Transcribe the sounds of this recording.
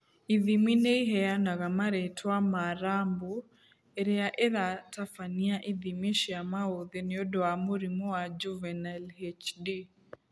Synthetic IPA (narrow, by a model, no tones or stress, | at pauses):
iðiminɛiɦɛanaɣamaɾɛtʰwamaɾambu | ɛɾɛaʔeðatafaniaʔiðimiʃiamaoðɛnɛɔdɔamuɾimɔwad͡ʒuvɛnalhɛt͡ʃdi